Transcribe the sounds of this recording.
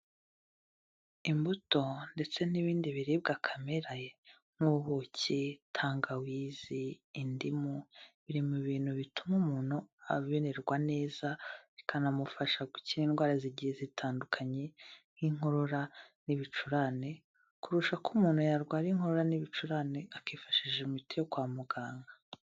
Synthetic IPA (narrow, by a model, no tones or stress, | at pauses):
imbuto̞nde̞t͡se̞niβiːndiβiɾib̚ɡakʰameɾa | ŋ̥uβocetʰaːŋɡawiːziːndimuβiɾimuβiːn̥huβitumumuːn̥huaβiβeɾe̞ɾɡwane̞ːzaikʰanamufaʃaɡuciɾiːnɡwaːɾaziɟijezitʰaːndukʰaɲe̞ŋ̥hiŋ̥ho̞ɾoɾaniβit͡ʃuɾane̞ | kuɾuʃakumuːn̤̥hujaɾɡwaːɾiŋho̞ɾoɾaniβit͡ʃuɾaneakiːfḁʃiʒeumitijokwaːmuɡaːŋɡa